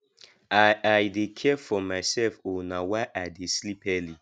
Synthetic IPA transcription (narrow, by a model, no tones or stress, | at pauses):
aaɪdekʰɛfɔmaɪsɛlfonawaɪʔadeslipɛli